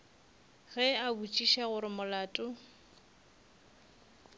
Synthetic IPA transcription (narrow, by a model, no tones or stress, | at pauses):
ɣɛabut͡ʃʼiʃaɣʊɾɪmʊlaːtʼʊ